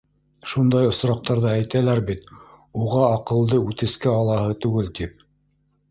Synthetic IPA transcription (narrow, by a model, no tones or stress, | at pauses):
ʃund̪ɑjŏsɾɑq̚t̪ɑɾðɑæjt̪ælæɾbit̪ | uʁɑːqɤ̆lˠd̪ɤʉt̪ɘ̆skæɑlˠɑhɤt̪ʉɡɘlt̪ip̚